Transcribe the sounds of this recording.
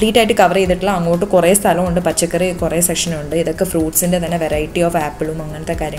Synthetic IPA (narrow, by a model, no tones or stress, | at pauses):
ɭiːʈːaːjiʈ̬ːɨkɐʋɐreiðiʈːilːaɐŋːoːʈːɨkureːst̪ʰɐlɐmuɳɖɨpɐt͡ɕːɐkːɐrikureːsekʂɐnuɳɖɨiðokːefruːʈsindet̪ɐnːeʋeɾɐjiʈːioːʋaːpːɨɭumɐŋːɐnɐt̪ːekaːɾjɐ